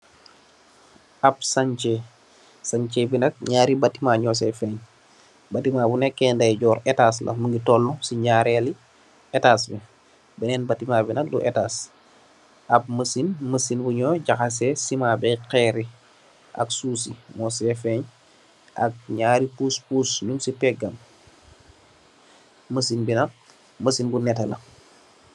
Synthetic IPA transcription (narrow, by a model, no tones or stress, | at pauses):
ɐpsaɲt͡ʃe | saɲt͡ʃebinɐk̚ɲaːɾibatːimaɲɔs̬ɛfɛɲ | batimabunekːɛːndajɟɔːɾetas̬lʔɐ̰məŋɡitɔlːũsiɲɟaɾeli | etasbɛ | bɛnɛnbatːimaːbinɐk̚lṵʔetas | ɐb̚məsinməsinbuɲɔɟaxas̬esimaːbɛqɛːɾi | ʔa̰ksusimɔsɛfeɲ | ʔa̰k̚ɲaːɾipuspusɲumsipɛɡam | məsinbinɐ | məsinbunɛtɐlɐ̰